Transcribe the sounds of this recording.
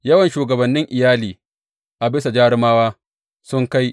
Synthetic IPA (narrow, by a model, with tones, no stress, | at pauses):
jɐ˦wɐ˨nʃuː˨ɡɐ˨bɐ˨nːɪ˦ŋʔɪ˨jaː˦liː˨ | ʔa˨bɪ˦sa˨d͡ʒaː˦ɽɪ˦maː˦waː˦ | sʊ˦ŋka˦j